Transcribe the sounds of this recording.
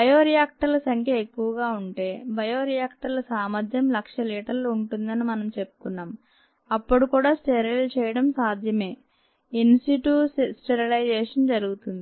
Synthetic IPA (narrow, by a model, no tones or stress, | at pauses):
bɐjoːɾijaːk̚ʈɐɾlɐsɐŋkʰjɐekːuʋɐɡaːuɳʈe̞ːbɐjoːɾijaːk̚ʈɐɾlɐsaːmɐd̪ʱjɐmlɐkʂɐliːʈɐɾluɳʈund̪ɐnimɐnɐmt͡ʃe̞pːu̥kunːaːm | ɐpːuɽikuːɽaːsʈeɾiɐlt͡ʃɛːjɐɽɐmsaːd̪ʱjɐme̞ː | insiʈuːsʈeɾɐlɐjd͡ʒɛːʂɐnd͡ʒɐɾuɡut̪und̪ii